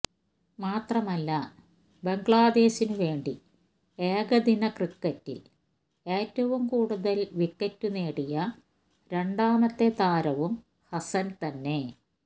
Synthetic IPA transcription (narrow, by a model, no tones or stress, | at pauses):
maːt̪rɐmɐlːɐ | be̞ŋɡɭaːd̪e̞ːɕinuʋe̞ːɳɖi | eːɣɐd̪inɐkrikːɐtːil | e̞ːtːɐʋumkuːɽuðɐlʋikːɐtːune̞ːɽijɐ | ɾe̞ɳɖaːmɐt̪ːet̪aːɾɐʋum | hɐsɐnt̪ɐnːe̞